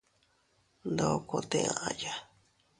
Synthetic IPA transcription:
nd̪o˦˧ko˧t̪ẽ˧ã̰˧ʔã˧ja˧

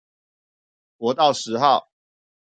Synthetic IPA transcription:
kwɔ˨˦t̪ɑ˥˨ʊʂɻ̩˨˦xɑ˥˨ʊ

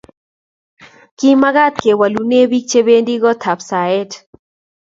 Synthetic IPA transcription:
ki˦ma˦ɡa˦t̪̚ke˨wa˨lu˨ne˦bi˦k̚t͡ʃe˦be˦ndi˦ɡɔ˦t̪ʰa˨psa˨ɛ˦t

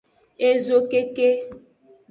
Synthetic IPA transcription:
e˦zo˦ke˦ke˦

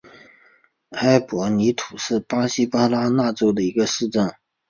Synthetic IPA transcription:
a˥ɪpwɔ˧˥ni˧˥t̪ʰu˨˩ʂɻ̩˥˩pa˥ɕi˥pa˥la˥na˥˩ʈ͡ʂo˥ʊd̪ə˨i˧˥ɡə˧ʂɻ̩˥˧ʈ͡ʂə˥˩n

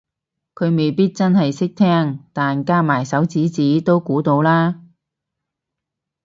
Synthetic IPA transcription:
kʰɵ˨˧ɥme˨jpiː˥t̚t͡sɐ˥nhɐ˨jsɪ˥k̚t̪ʰɛː˥ŋt̪aː˨nkaː˥maː˨˩jsɐ˨˥wt͡siː˨˥t͡siː˨˥t̪o˥wkuː˨˥t̪o˧wlaː˥

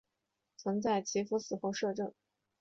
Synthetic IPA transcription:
t͡sʰə˧˥ŋt͡sa˥˩ɪt͡ɕʰi˧˥fu˧˥t͡sɹ̩˨˩xo˥˧ʊʂɤ˥˧ʈ͡ʂɤ˥˩ŋ

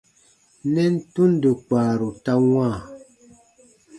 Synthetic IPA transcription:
nɛ˦n̩˦tu˦n˦də˨k͡paː˨ɾu˨ta˦ŋwãː˦˨

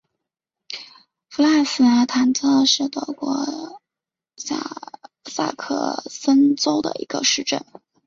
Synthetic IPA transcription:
fu˧˥la˥˩sɹ̩˨˩a˧˥t̪ʰa˧˥nt͡sʰɤ˥ʂ̩˥˩t̪ɤ˧˩kwɔ˥˩ | sa̰˥˩ | sa̰˥˩kʰɤ̰˥˩sə˥nt͡so˥ʊd̪ə̰˨˩ḭ˧˥ɡ̥ə˧ʂɻ̩˥˧ʈ͡ʂə̰˥˩n

